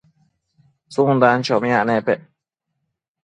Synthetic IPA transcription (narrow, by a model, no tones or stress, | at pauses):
sund̪an̩t͡ʃɔmanɛpɛʔ